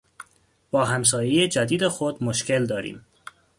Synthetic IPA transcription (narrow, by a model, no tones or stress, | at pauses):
b̥ɒːɦæms̬ɒːjejed͡ʒæd̪iːd̪exod̪moʃcʰeld̪ɒːɾḭːm